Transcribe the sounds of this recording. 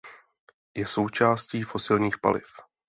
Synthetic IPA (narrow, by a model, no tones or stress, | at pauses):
jɛso̞wt͡ʃaːsciːfo̞sɪlɲiːxpa̰lɪ̰f